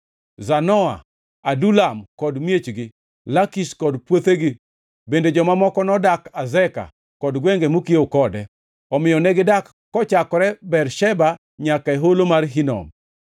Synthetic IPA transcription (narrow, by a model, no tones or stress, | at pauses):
zanɔa̰ | adulamkɔdmjet͡ʃɡɪ | lakiskɔdpwot̪eɡɪ | bended͡ʒɔmamɔkɔnɔdakazɛka̰ | kɔdɡweŋɡemokiokɔdɛ | ɔmɪjɔnɛɡɪdakːɔt͡ʃakɔɾɛbɛrʃɛba | ɲakaeɦolomarɦinɔ̰m